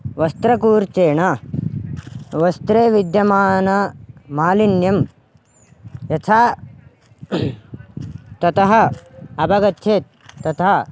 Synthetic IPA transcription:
ʋɐst̪ɾɐkuːɾt͡ʃeːɳɐ | ʋɐst̪ɾeːʋid̪jɐmaːnɐmaːlinjɐm | jɐt̪ʰaː | t̪ɐt̪ɐɦɐ̆ɐbɐɡɐt̪ʰjeːt̪ː | ɐt̪ɐɦɐ

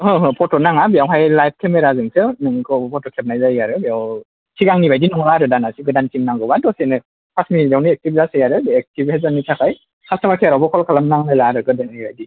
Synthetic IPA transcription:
hɯɦɯpʰɔtɔnaŋabijawɦajlajp̚kʰemɛɾazɯŋsɯnɯŋkʰɔpʰɔtɔkʰɛp̚najzajaɾɯbiaw | kʰiɡaŋnibajdinɔŋlaɾɯdanasiɡɯdantimnaŋɡɯbadɔsenɯ | pʰasminitiawniɛk̚tibzasɯjaɾɯɛk̚tibhɛzanitʰakaj | kʰastamakʰiaɾawbɔkʰɔlkʰalamnaŋnajlaɾɯɡɯdannibajdi

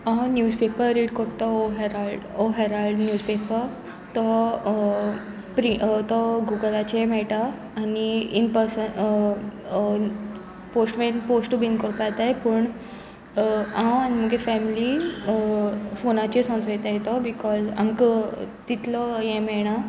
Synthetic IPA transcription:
anjuːzpepəɾɾiɖkɔɾt̪ɔoɦeɾalɖoɦeɾalɖnjuːzpepəɾ | t̪ɔ | pɾit̪ɔɡuɡəlat͡ɕmɛɭʈaː | niinpəɾsə | posʈmenposʈubinkɔɾpat̪ajpəɳ | ãanim̤əɡefɛmili | fonat͡ɕesɔ̃nt͡sɔjt̪ajet̪ɔbikɔza̰mkət̪it̪lɔjẽmɛɽ̃a

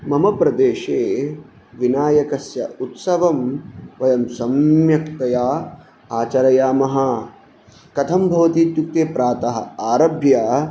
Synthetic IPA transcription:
mɐmɐpɾɐd̪eːʃeː | ʋinaːjɐkɐsjɐ̰ut̪sɐʋɐmʋɐjɐmsɐmjɐkt̪ɐjaː | aːt͡ʃɐɾɐjaːmɐɦɐ | kɐt̪ʰɐmbʱɐʋɐt̪iːt̪juk̚t̪eːpɾaːt̪ɐɦɐ̰̆aːɾɐbʱjaː

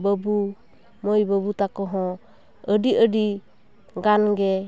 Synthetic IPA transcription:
bəbu | mɔjbəβut̪akɔɦɔ | ədiədi | ɡanɡɛ

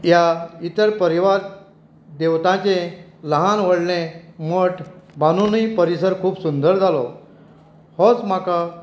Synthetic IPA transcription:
jait̪əɾpəɾiʋaɾ | d̪eʋt̪ãt͡ɕẽləɦãnʋ̤əɽlẽməʈʰbanunipəɾisəɾkʰuːpsund̪əɾd͡zʱalɔ | hɔ̃t͡sm̤aka

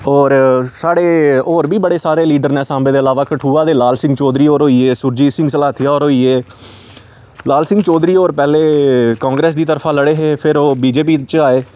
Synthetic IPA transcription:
ɔːɾsaːɽeːoːɾbiːbəɽeːsaːɾeːliːɖəɾnẽːsãːmbẽːd̪eːəlaːʋaːkəʈʰuːaːd̪eːlaːlsɪ̃ŋɡt͡ʃɔːd̪ɾiːoːɾɦoːiːeːsʊɾd͡ʒiːsɪ̃ŋɡsəlaːt̪ʰɪjaːoːɾɦoːiːeː | laːlsɪ̃ŋɡt͡ʃɔːd̪ɾiːoːɾpɛːleːkãːŋɡɾeːsd̪iːt̪əɾpʰãːləɽeːɦeːpʰɪɾoːbiːd͡ʒeːp̬iːt͡ʃaːeː

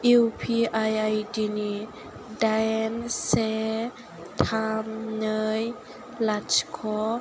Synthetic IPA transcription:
ʔiwpʰiʔajajdini | dajnsɛ | t̪ʰamnəj | lat͡ʃkʰɔ

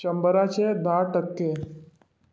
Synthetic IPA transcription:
əmbəɾat͡ɕed̪aʈəkːe

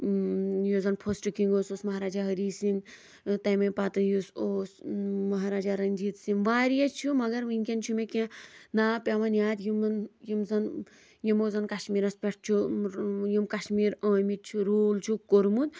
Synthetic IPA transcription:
jozɐnpʰosʈɨkiŋɡoːsoːsmɐɦaːɾaːd͡ʒaɦəɐɾiːsin | t̪ɐjmɐpat̪ɨjusoːsmɐɦaːɾaːd͡ʒaɾɐnʲd͡ʒiːt̪sinʋaːɾijɐt͡ʃʰumɐɡɐɾʋiŋʲkʲent͡ʃʰumekẽnaːpʲaʋɐnjaːt̪jimnjimzɐn | jimoːzɐnkaʃmiːɾɐspʲeʈʰt͡ʃʰu | jimkaʃmiːɾə̃ːmit͡ʃʰuɾoːlt͡ʃʰukoɾmud̪

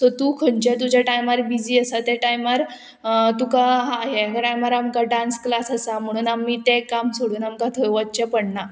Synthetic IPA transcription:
t̪ɔt̪ukʰəɳt͡ɕãt̪̬ud͡ʑjaʈajmaɾbid͡ʑiːəsat̪jaʈajmaɾ | t̪ukaɦaɦekaʈajmaɾamkaɖãnsklasasam̤əɽ̃uːnamːiːt̪ekamsoɽuːnamkat̪ʰojʋatːt͡ɕapəɽɳa

